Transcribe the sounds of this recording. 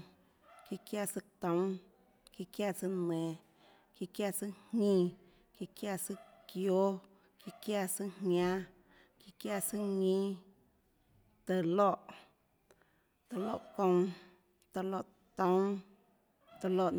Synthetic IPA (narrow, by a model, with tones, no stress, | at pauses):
ki˧kja˦˨sɨ˧t̪õ˨˦w | ki˧kja˦˨sɨ˧nẽ˨ | ki˧kja˧˨sɨ˦hĩ˦˧ | ki˧kja˦˧˨sɨ˦kjo˦ | ki˧kja˦˧sɨ˦hã˦ | ki˧kja˧˨sɨ˦ɲĩ˦ | t̪ə˧lo˦ʔ | t̪e˨lo˦ʔkõ˧ | t̪ə˧lo˧˨ʔ | t̪õ˦w̃ | t̪ə˧lo˧˨ʔ